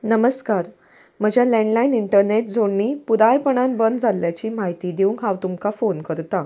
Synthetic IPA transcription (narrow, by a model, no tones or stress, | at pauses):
nəməskaɾ | m̤əd͡ʑʱjalɛ̃ɳɖlainiɳʈəɾneʈ̚d͡zʱoɽːiːpud̪ajpəɳ̃anbənd͡zʱaljat͡ɕiːmaɦit̪iːd̪euŋkɦãwt̪umkafonkəɾt̪a